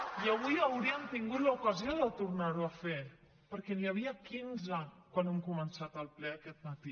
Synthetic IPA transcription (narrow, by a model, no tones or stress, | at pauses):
iəβ̞ujəwɾiəmt̪iŋɡut̪ləukəzioðət̪uɾnaɾuəfe | pəɾkɛniəβiəkinzəkwanɛmkumənsat̪əlˠplɛəkɛt̪̚mət̪i